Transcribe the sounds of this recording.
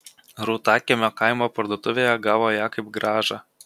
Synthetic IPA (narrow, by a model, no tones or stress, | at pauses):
ɾuːt̪ɑːkʲɛmʲokɑɪmoːpɐɾd̪uɔt̪ʊʋʲeːjɛɡɑːʋoːjɑːkɐɪpɡɾɑːʒɑ